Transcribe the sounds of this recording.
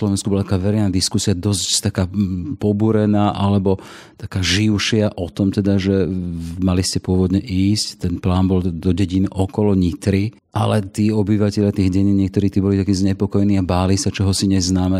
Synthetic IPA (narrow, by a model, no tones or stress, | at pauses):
lɔʋɛnskubɔlat̪akaːʋɛɾɛɪnaːd̪iskusiad̪ɔsct̪akaːpɔbuɾɛnaːʔalɛbɔ | t̪akaːʒiʊʃɪaʔɔt̪ɔmt̪ɛd̪aʒɛmaliscɛpʊɔʋɔd̪ɲɛʔiːsct̪ɛnplaːnbɔld̪ɔɟɛɟinɔkɔlɔɲit̪ɾi | ʔalɛt̪iːɔbiʋacɛʎɪat̪iːɣɟɛɲiːɲɪɛkt̪ɔɾiːt̪iːbɔlit̪akiːzɲɛpɔkɔjɛniːabaːlisat͡ʃɔɦɔsiɲɛznaːmɛ